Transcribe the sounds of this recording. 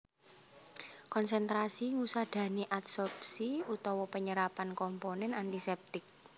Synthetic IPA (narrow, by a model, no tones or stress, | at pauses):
kɔnsɛnt̪ɾasiŋusad̪̥ä̤neʔat̪sɔrpsiut̪ɔwɔpəɲəɾapankɔmponɛnant̪isɛp̚t̪ɪk̚